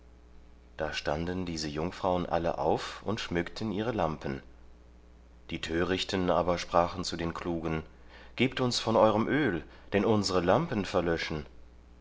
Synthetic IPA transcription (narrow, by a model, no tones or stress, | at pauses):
d̥aːʃtandndiːzəjʊŋfʁ̥aʊənʔa̰lə̰ʔa̰ʊfʊntʃmʏktʰən̩iːʁ̞əlampən̩ | d̥iːtʰøːʁɪçtʰənʔaːbɐʃpʁ̥aːχn̩t͡sudeːnkl̥uːɡən | ɡ̥eːp̚tʊnsfɔnʔɔʏʁəmʔøːl | d̥ɛnʔʊnzəʁəlampən̩fɛɐlœʃn̩